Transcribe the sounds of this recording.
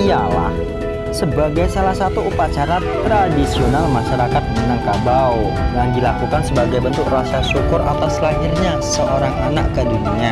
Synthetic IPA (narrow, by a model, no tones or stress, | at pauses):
ijala̰h | səbaɡajsalahsat̪uupat͡ʃaɾatt̪ɾadisionalmaʃaɾakat̪̚mənaŋkabaw | jaŋdilakukansəbaɡajbənt̪ʊk̚rasasukʊra̰t̪aslahɪrɲasəʔoɾaŋanaʔkədunia